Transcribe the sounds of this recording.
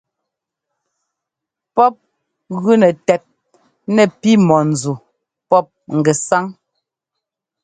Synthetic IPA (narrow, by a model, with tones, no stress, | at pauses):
pɔ˦p̚ | ɣʉ˦nɛ˨tɛ˨t̚ | nɛ˨pi˦mɔ˨n̩˨d͡zu˨ | pɔ˦p̚ŋ̩˨ɡɛ˨sa˦ŋ